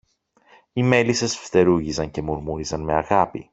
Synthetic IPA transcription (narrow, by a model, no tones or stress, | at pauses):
ime̞lisesft̪e̞ɾuʝizɐɲce̞muɾmuɾizɐnme̞ɐɣɐpi